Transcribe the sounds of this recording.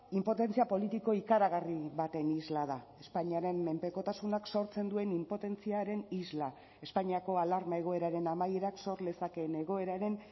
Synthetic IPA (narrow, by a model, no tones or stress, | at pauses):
impo̞t̪e̞nt͡siapo̞lit̪iko̞ikaɾaɣariβat̪e̞nizlað̞ae̞spaɲiaɾe̞mːe̞mpe̞ko̞t̪asunakso̞ɾt͡se̞nd̪ue̞nimpo̞t̪e̞nt͡siaɾe̞nizla | e̞spaɲiako̞alaɾmae̞ɣ̞o̞e̞ɾaɾe̞namajeɾakso̞ɾle̞sake̞ne̞ɣ̞o̞e̞ɾaɾe̞n